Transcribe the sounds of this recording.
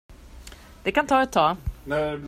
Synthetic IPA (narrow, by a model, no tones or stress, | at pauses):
d̪̥ɛkant̪ʰɑːɛt̪ʰːɑː